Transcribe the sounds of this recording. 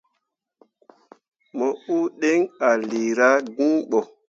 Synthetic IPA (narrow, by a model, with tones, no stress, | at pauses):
mɔ˨u˦ɗe˦ŋa˨li˨ɾa˦ɡũ˦ɓɔ˨